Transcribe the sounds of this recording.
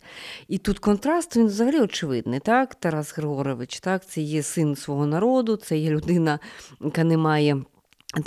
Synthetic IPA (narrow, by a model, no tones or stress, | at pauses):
it̪ut̪kɔnt̪ɾɑst̪ʋʲinʋzɐɦɐlʲiɔt͡ʃɪʋɪd̪nɪt̪ɑkt̪ɐɾɑsɣeɦɔɾɔʋɪt͡ʃt̪ɑkt̪sɛjɛsɪnsʋɔɦɔnɐɾɔd̪ʊt̪sɛjɛlʲʊd̪ɪnɐkɐnɛmɑjɛ